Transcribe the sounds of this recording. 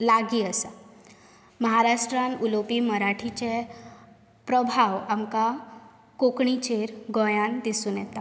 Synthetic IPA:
laɡiːəsa | məɦaɾaʂʈɾãnulopiːməɾaʈʰit͡ɕe | pɾəbʱaʋamka | kokɳit͡ɕeɾɡɔ̃jãnd̪isuːnjɛt̪a

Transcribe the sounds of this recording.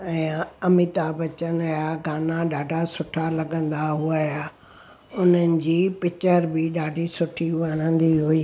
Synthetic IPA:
ɛ̃ːɐmɪt̪abɐt͡ɕənjaɡaːnaɖaːɖʱasʊʈʰalɐɡə̃nd̪aɦuajaː | ʊn̤ənɪ̆d͡ʑiːpɪt͡ɕəɾbɪɗaːɖʱisʊʈʰiʋanə̃nd̪iɦuiː

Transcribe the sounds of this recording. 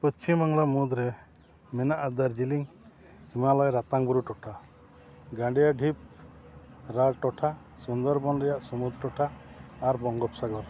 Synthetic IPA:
pɔst͡ʃimaŋlɔmud̪ɾe | mɛnaʔad̪aɾd͡ʒiliŋ | imalɔjɾat̪aŋbuɾuʈɔʈʰa | ɡãɖijaɖʱip̚ | ɾalʈɔʈʰa | sund̪ɔɾbɔnɾɛjaʔsɔmud̪ɾʈɔʈʰaːɾbɔŋɡɔpsaɡɔɾ

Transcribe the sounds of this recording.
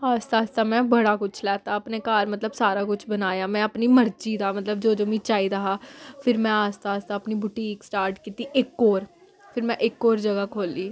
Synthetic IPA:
aːst̪aːst̪aːmɛ̃ːbəɽaːkʊt͡ʃʰlɛːt̪aːəpneːkaːɾmət̪ləbsaːɾaːkʊt͡ʃʰbənaːjaːmɛ̃ːəpniːməɾd͡ʒiːd̪aːmət̪ləb̚d͡ʒoːd͡ʒoːmĩːt͡ʃaːiːd̪aːaːpʰɪɾmɛ̃ːaːst̪aːst̪aːəpniːbʊʈiːksʈaːɾʈkiːt̪iːʔɪkːoːɾ | pʰɪɾmɛ̃ːʔɪkːoːɾd͡ʒəɡaːkʰoːliː

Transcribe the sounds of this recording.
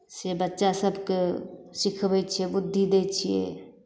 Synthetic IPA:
sebətːʃasəbʱkesikʰbɛjt͡ʃʰijɛbud̪ʱːid̪et͡ʃʰijɛ̰

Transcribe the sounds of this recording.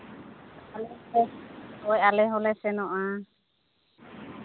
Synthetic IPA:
alɛɛɔjalɛɦɔlɛsɛnɔʔa

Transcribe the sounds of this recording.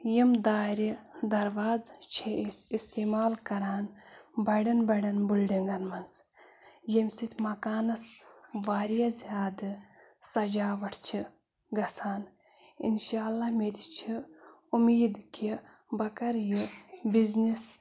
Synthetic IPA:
jimd̪aːɾʲid̪ɐɾʋaːzt͡ʃʰiisist̪eːmaːlkɐɾaːnbɐɽɐnbɐɽɐnbulɖiŋɡɐnmɐnz | jimʲsit̪ʲʰmɐkaːnɐsʋaːɾijazijaːd̪ɨsɐd͡ʒaːʋɐʈʰt͡ʃʰi | ɡɐsaːn | ḭnʃaːlːamed̪it͡ʃʰi | umiːd̪kʰi | bɐkɐɾjibiznis

